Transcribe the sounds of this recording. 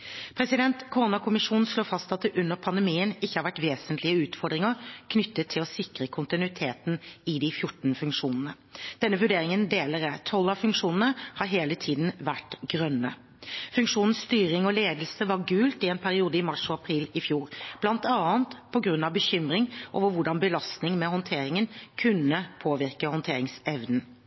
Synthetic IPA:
pʰɾɛsɪd̪ɛnt̪kʰʊʁʊnɑkʊmɪʂuːnn̩sloːfɑst̪ɑt̪̚d̪ɛʔʉnːəɾpʰɑnd̪ɛmiːənɪçːəhɑɾʋæʈʋeːsənt̪lɪəʉːt̪fɔɖ̪ɾɪŋəɾkʰnʏt̪ːət̪ʰːɪlɔsɪkɾəkʰʊnt̪ɪnʉɪt̪ʰeːt̪n̩ɪd̪ɪfjʊʈn̩fʉŋkʂuːnənə | d̪̥ɛnːəʋʉɖeːɾɪŋənd̪eːləɾət̪ʰɔlːɑfʉŋkʂuːnən̩əhɑɾɦeːlət̪ʰiːd̪n̩ʋæʈɡɾœnːə | fʉŋkʂuːnən̩st̪yːɾɪŋɔleːd̪əlsəʋɑɾɡʉːlt̪ɪɛnpʰæɾɪuːd̪əɪmɑʂɔɑpʰɾiːlɪfjuːɾb̥lɑnt̪ɑːnt̪pʰɔɡɾʉnːɑʋbəçʏmɾɪŋʔo̰ːʋəɾʋʊɖɑnbəlɑst̪nɪŋmɛhɔnt̪ʰeːɾɪŋənkʰʉnːəpʰoːʋɪɾkəhɔnt̪ʰeːɾɪŋsɛʋnn̩

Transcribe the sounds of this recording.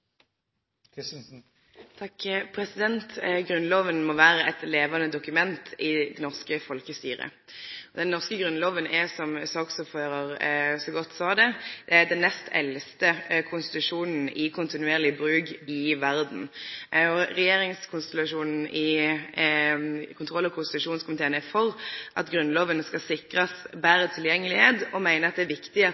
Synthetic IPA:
t̪ʰɑkpʰɾɛsɪd̪ɛnt̪ɡʁʉnloːʋənmɔʋæːʁəɛt̪leːʋɑnəd̪ʊkʉmɛnt̪ʰɪd̪ɛnɔʁskəfɔlkəst̪yːʁə̰ | ɔd̪ɛnnɔʁskəɡʁʉnloːʋənʔɛsɔmsɑːksɔfɑʁɑʁsɔɡɔt̪ːsɑːd̪ɛd̪̥ɛæd̪ɛnːɛst̪ʰɛ̰lst̪əkʰʊnst̪ɪ̥t̪ʉʂuːnn̩ɪkʰʊnt̪ɪnʉeːʁlɪbɾʉːɡɪʋæʁd̪n̩ɔʁɛjeːɾɪŋskʰʊnst̪ɛlɑʂuːnn̩ɪ | kʰʊnt̪ʰʁɔlːɔkʰʊnst̪ɪt̪ʉʂuːnskʊmɪt̪ʰeːənɛfɔʁʔɑt̪ɡɾʉnloːʋənəskɑsɪkʁɑsbæːɾət̪ʰɪljɛŋːəlɪheːt̪ɔmæɪnəʁɑt̪̚d̪ɛæːʋɪkt̪ɪɑ

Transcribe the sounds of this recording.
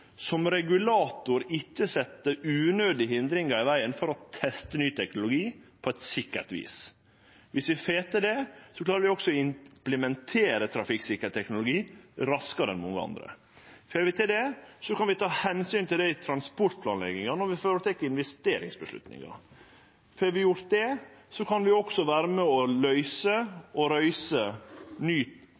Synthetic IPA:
sɔmɾɛɡʉlɑːt̪ʊɾɪkːəsɛt̪ːəʉːnøːd̪ɪɦɪnd̪ɾɪŋɑɾɪʋæɪənfɔɾɔt̪ʰɛst̪ənyːt̪ʰɛknʊlʊɡiːpʰɔɛt̪sɪkːə̰ɾt̪ʋḭːs | ʋɪsʋɪfeːt̪əɖɛsɔklɑːɾəʋɪɔksɔɪmpləmɛnt̪ʰeːɾət̪ʰɾɑfɪksɪkːəɾət̪ʰɛknʊlʊɡiːɾɑskəɾɛnmɔŋːəɑ̰nd̪ɾə̰ | fœɾʋɪt̪ʰɪld̪ɛsɔkʰɑnʋɪt̪ʰɑːhɛnsyːnt̪ɪld̪ɛɪt̪ʰɾɑnspɔʈ̪̚pʰlɑːnlɛ̰ɡɪŋɑnɔɾʋɪfoːɾət̪ʰɛkːəɪnʋɛst̪eːɾɪ̰ŋsbəʂlʉ̰t̪nɪ̰ŋɑ̰ | fɛɾʋɪjʊɾt̪̚d̪ɛsɔkʰɑnʋɪɔksɔʋæːɾəmɛɔlœʏsəɔɾœʏsənyː

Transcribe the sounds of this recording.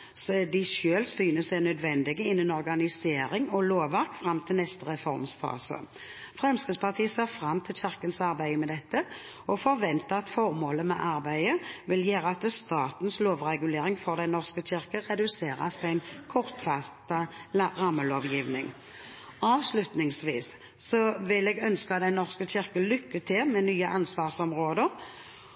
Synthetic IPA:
sd̪ɪʃøːlsyːnəsæɪnœd̪ʋɛnd̪ɪɡəɪnːənɔʁɡɑnɪseːɾɪŋɔloːʋæʁkfʁɑmːt̪ʰɪlnɛst̪əʁɛfɔʁmsfɑ̰ːsə̰ | fʁɛmskəspɑʁt̪ʰiːəseːʁfʁɑmːt̪ʰɪlçɪʁkənsɑʁbæɪəmɛd̪ɛt̪ːə | ɔfɔʁʋɛnt̪əɑt̪fɔʁmoːləmɛ̰ʔɑɾbæɪəʋɪljeːɾəɑt̪st̪ɑːt̪n̩sloːʋʁɛɡʉleːɾɪŋfɔʁd̪æɪnɔʁskəɕɪʁkəʁɛd̪ʉseːɾɑ̰sæɪnkʰɔʁt̪fɑst̪əʁɑmːəloːʋjiːʋnɪŋ | ɑːʋslʉt̪nɪŋsʋiːsː | ɔʋɪlɛɡœnskəɑt̪d̪ɛɪnɔʁskəçɪʁkəlʏkːət̪ʰɪlmɛnyːəʔɑnsʋɑːʁsɔmʁoːd̪əʁ

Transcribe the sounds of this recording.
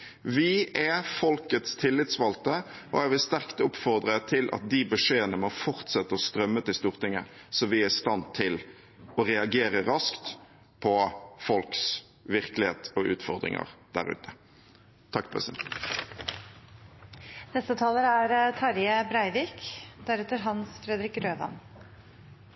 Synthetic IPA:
ʋɪʔɛfɔlkət̪st̪ʰɪlːɪt̪sʋɑlt̪əʔɔæʋɪlst̪æʁkt̪ʊpfɔʁd̪ɾət̪ʰɪlʔɑ̰t̪̚d̪ɪbʉʂeːənəmɔfɔʁt̪sɛt̪ːəɔst̪ɾœmːət̪ɪlst̪uːʁt̪ɪŋəsɔʋɪæɪst̪ɑnt̪ʰɪl | ɔɾɛɑɡeːɾəɾɑskt̪ | pʰɔfɔlks | ʋɪʁklɪheːt̪ɔʔʉ̰ːt̪fɔʁd̪ɾɪ̰ŋə̰ʁd̪̥æ̰ɾʉ̰ːt̪ʰə̥ | t̪ʰɑkːpʰʁɛ̰sɪ | nɛst̪ət̪ʰɑːləɾæɾt̪ʰɑɾjəbɾæɪʋiːkd̪æɾɛt̪əɾɦɑnsfɾɛd̪ɾɪkɾøːʋ̪ɑ̰n

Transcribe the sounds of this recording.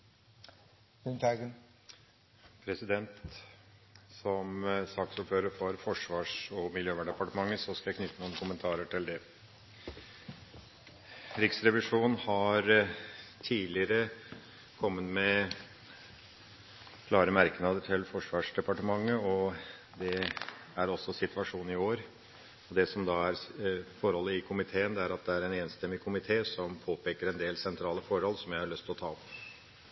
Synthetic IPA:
nt̪ɑɡ | pʰɾɛsɪd̪ɛnt̪ | sɔmst̪ɑksʊpføːɾəɾfɔɾfɔʂʋɑːʂɔmɪljøːʋæɳɖɛpɑʈəmɑŋːəsɔskɑjækʰnʏt̪ːənuːənkʰʊmənt̪ʰɑːɾəʈʰɪld̪ɛ | ɾɪksɾɛʋɪʂuːnhɑɾ | t̪ʰiːlɪəɾə | kʰɔmːət̪mɛ | kʰlɑːɾəmæɾknɑd̪əʈ̪ʰɪlfɔʂʋɑːʂɖ̪ɛpɑʈəmɑŋːəɔ | d̪ɛæɾɔsːɔsɪt̪ʋɑʂuːn̩ɪoːɾ | ɔd̪ɛsɔmd̪ɑːæɾfɔɾhɔlːəɪkʰʊmɪt̪ʰeːənd̪ɛæɾɑt̪̚d̪ɛæɾɛneːnst̪ɛmːɪkʰʊmɪt̪ʰeːsɔmpʰoːpʰeːkəɾɛnd̪eːlsɛnt̪ʰɾɑːləfɔɾhɔlːsɔmjæɪhɑɭœst̪ʰɪlɔt̪ʰɑːɔp

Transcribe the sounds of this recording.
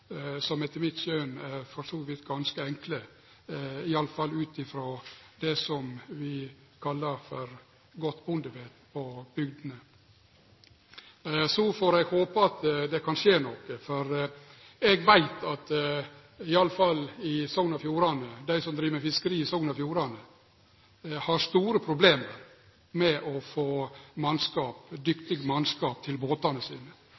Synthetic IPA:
sɔmɛt̪əmɪt̪ʃøːnæɾfɔɾsuːʋɪt̪ɡɑnskəɛŋklə | ɪɑləfɑlːʉːt̪ɪfɾoːd̪ɛsɔmʋɪkʰɑlːəɾfɔɾ | ɡɔt̪ːbʊnd̪əbeːt̪pʰɔb̥ʏɡd̪ənə | sɔfoːɾɛɡhoːpəɑt̪d̪ɛkʰɑnʂeːnɔkːəfɔɾ | ɛɡʋæɪt̪ɑt̪ | ɪɑləfɑlɪsɔŋnɑfjuːɾɑnəd̪æɪsɔmd̪ɾiːʋəəɾfɪskəɾiːɪsɔŋnɑfjuːɾɑnə | hɑɾst̪uːɾəpʰɾʊbleːməɾ | mɛʔɔfoːmɑnskɑːpd̪ʏkt̪ɪɡmɑnskɑːp̚t̪ʰɪlboːt̪ɑnəsḭːnə

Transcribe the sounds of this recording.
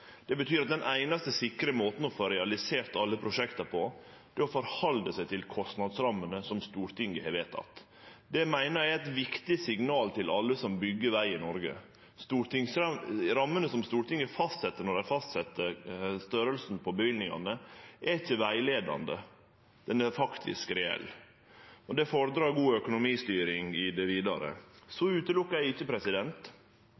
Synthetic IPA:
d̪̥ɛbət̪ʰyːɾɑt̪̚d̪ɛnʔæɪnɑst̪əsɪkːɾəmoːt̪n̩ɔfoːɾɛɑlɪseːɾt̪ɑlːəpʰɾʊʂɛkt̪ɑpʰɔ | d̪̥ɛɔfɔɾhɑld̪əsæɪt̪ʰɪlkʰɔst̪nɑd̪sɾɑmːənəsɔmst̪uːɾt̪ɪŋɡəhɛːɾʋeːt̪ʰɑ̰t̪ | d̪ɛmæɪnəɾæɪæɪt̪ʋɪkt̪ɪsɪŋnɑːlt̪ʰɪlʔɑlːəsɔmbʏɡːəɾʋæɪɪnɔɾɡə̰ | st̪uːɾt̪ɪŋsɾɑmːənəsɔmst̪uːʈʰɪŋəfɑst̪sɛt̪ːəɳɔɖæɪfɑst̪sɛt̪ːəɾst̪œɾəlsn̩pʰɔbəʋɪlnɪŋɑ̰nəʔæɾɪçːəʋæɪleːd̪ɑ̰nd̪ə̰ | d̪̥ɛnɛɾfɑkt̪ʰɪ̰skɾɛɛ̰lː | ɔd̪ɛfoːɾəd̪ɾɑːɾɡuːœkʊnʊmiːst̪yːɾɪŋɪd̪ɛʋiːd̪ɑɾə̰sɔʉːt̪əlʊkːɑɾæɪçːəpʰɾɛsɪd̪ɛnt̪

